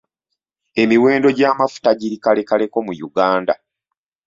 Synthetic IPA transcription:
e̞miwe̞ːndo̞ɟaːmafu̥taɟiɾikale̞kale̞ko̞mujuɡaːnda̰

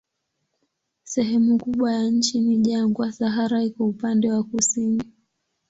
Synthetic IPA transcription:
sɛɦɛmukuɓwajaɲ̩t͡ʃiniʄaŋɡwasaɦaɾaikɔupandɛwakusini

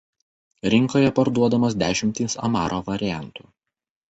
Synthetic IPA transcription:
ɾʲɪŋkoːjɛpɐɾd̪uɔd̪ɐmɐsd̪ʲæːʃʲɪmʲt̪ʲiːsɐ̰mɑ̰ːɾʔoːʋɐɾʲɪjæˑnt̪uː

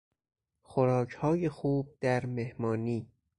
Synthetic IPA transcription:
xoɾɒːcʰhɒːjexuːb̚d̪̥æɾmehmɒːniː

